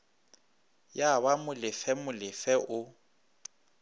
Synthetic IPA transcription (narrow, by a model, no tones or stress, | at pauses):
jaβamʊlɪfɛmʊlɪfɛʔʊ